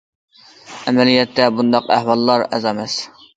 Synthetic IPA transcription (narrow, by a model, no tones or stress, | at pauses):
æmɛlijɛt̪ːɛbund̪ɑqæ̰hwɑlˠːɑɾɛ̰zɑmɛs